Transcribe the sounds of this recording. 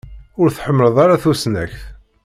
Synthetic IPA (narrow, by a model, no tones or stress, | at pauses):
ʊɾθħəmːləðˤɑɾaθusnæçθ